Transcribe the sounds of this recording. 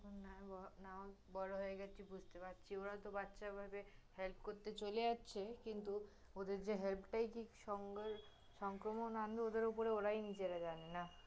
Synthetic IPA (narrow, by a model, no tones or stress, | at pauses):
konnabɔnao | bɔɾoɦoeɡɛibud͡ʑʱt̪epatːʃʰioɾat̪obatːʃabʱabehelp̚ʰkoɾt̪et͡ɕoleatːɕʰekint̪u | od̪eɾd͡ʑeɦelpʈajkiʃɔŋɡɾ | ʃɔŋkɾomonand̪ʱood̪eɾupoɾeoɾajnid͡ʑeɾad͡ʑanena